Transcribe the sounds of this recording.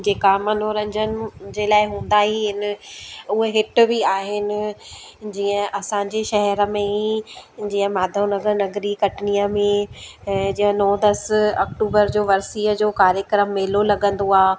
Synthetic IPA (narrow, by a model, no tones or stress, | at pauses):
d͡ʑeːkamɐn̤oɾɐ̃ɲd͡ʑənɪ̆d͡ʑeːlaːɪɦũːn̆d̪aːɦiɦɪn | ʊɦeɦɪʈʊ̆bɪaːɦɪnɪ̆d͡ʑiːə̃ʔɐsãːɲd͡ʑeʃɐɦɛɾə̆mẽ | d͡ʑĩːə̃maːd̪ʱonɐɡəɾnɐɡɾikɐʈʰnijəmẽ | d͡ʑiə̃nõːd̪ɐsɐkʈuːbəɾd͡ʑoːʋɐɾsiːəd͡ʑoːkaːɾjəkɾəmːeːlolɐɠə̃nd̪oaː